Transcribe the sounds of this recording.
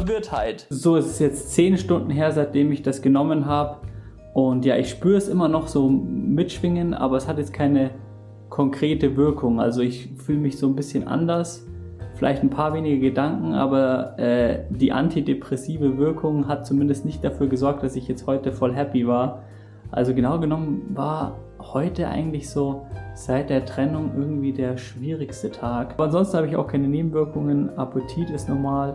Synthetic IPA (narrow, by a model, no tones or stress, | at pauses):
vɪɐthaɪtzoːɪssjɛt͡stt͡seːnʃtʊndn̩ɦeːɐzaɪt̚d̥eːmɪçd̥asɡ̥ənɔmənɦaːbə | ʔʊntja̰ːʔɪçʃpyːɐɛsʔɪmɐnɔχz̥oːmɪtʃv̥ɪŋəntʔa̰ːbɐɛshatjɛt͡skʰaɪnə | kʰɔŋkʁ̥eːtəvɪɐkʰʊŋʔa̰lzoɪçfyːləmɪçz̥oːnbɪsçənʔa̰ndɐs | fɪla̰ɪçtn̩pʰaːɐveːnɪɡəɡədaŋkŋ̩ʔa̰ːbɐʔɛːd̥iːʔa̰ntʰidepʁ̥ɛsiːvəvɪɐkʰʊŋɦat̚t͡sumɪndəstnɪçt̚d̥afyːɐɡəzɔɐk̚td̥asɪçjɛt͡sthɔʏtəfɔlɦɛpivaːɐ | ʔa̰lzoɡənaʊɡənɔmənvaːɐ | hɔʏtəʔa̰ɪɡŋ̩tlɪçz̥oːz̥aɪt̚d̥eːɐtʁ̥ɛnʊŋʔɪɐɡŋ̩tv̥iːdeːɐʃv̥iːʁɪçstətʰaːkbɐanzɔnstn̩haːbəɪça̰ʊxkʰaɪnəneːbm̩vɪɐkʊŋənʔapʰʊtʰiːtɛsnɔmaːl